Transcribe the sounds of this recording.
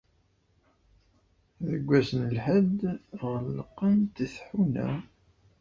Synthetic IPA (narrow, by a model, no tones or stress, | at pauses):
ðəɡʷːæsnəlħəd̪ʁəlːəqːənt̪əθħunæ̰